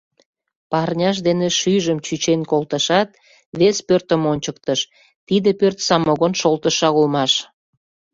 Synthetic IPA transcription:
pɑrnʲɑʃ̬d̪eneʃyjʒəmt͡ɕyt͡ɕenkolt̪əʃɑt̪̚ | βespørt̪ə̆monʲt͡ɕək̚t̪əʃ | t̪id̪epørt̪sɑmoɣonʃolt̪əʃɑɣulmɑʃ

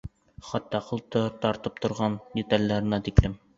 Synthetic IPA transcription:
χɑt̪ːɑqɤ̆lˠt̪ɤt̪ɑɾt̪ɤp̚t̪ŏɾʁɑnd̪ʲet̪ɑlʲːæɾɘ̆næt̪iklɘm

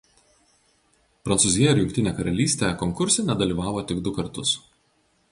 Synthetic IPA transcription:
pɾɐnsʊzʲɪjɛɪɾjʊŋʲkʲt̪ʲɪnʲeːkɐɾɐlʲiːsʲt̪ʲeːkɔŋkʊɾʲsʲenʲɛd̪ɐlʲiːʋɑːʋoːt̪ʲɪɡd̪ʊkɐɾt̪ʊs

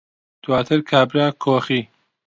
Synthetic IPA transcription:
d̪̥waːt̪ʰɨɾkʰaːbɾaːkʰoːxiː

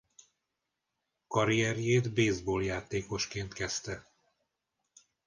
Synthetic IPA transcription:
kɒɾijɛɾjeːd̪beːzboːljaːt̪eːko̞ʃkeːnt̪kɛst̪ɛ

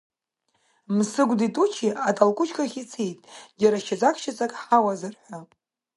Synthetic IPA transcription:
msɨɡʷditʼut͡ʃʰiatʰʼalkʷʼʊt͡ʃʰʼkʰʼaχʲit͡sʰejtʼɡʲaɾaʃad͡zʼakʰʼʃat͡sʼakʼħawazɨrħʷa

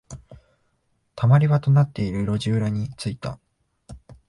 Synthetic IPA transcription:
t̪ʰamaɾʲiβat̪o̞nat̪ːe̞iɾɯ̟ɾo̞ʑɨːɾaɲ̟it͡sɨit̪a̰

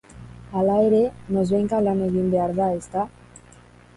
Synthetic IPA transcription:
alajɾenozβeŋkalaneɣind̪eaɾðaest̪a

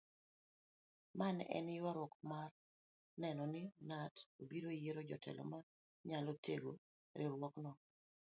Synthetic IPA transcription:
manɛ̰nɪwaɾwɔkmar | nɛnɔnɪnatobiɾoijeɾod͡ʒɔ̰tʰɛ̰lɔ̰ma | ɲalotʰḛɡo | ɾɪɾwɔknɔ

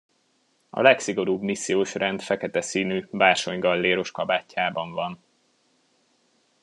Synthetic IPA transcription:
ɒ̰lɛksiɡo̞ɾuːbmisːijoːʃrɛnd̪fɛkɛt̪ɛsiːnyːbaːrʃo̞ɲɡɒlːeːɾo̞ʃkɒbaːcːaːbɒɱvɒn

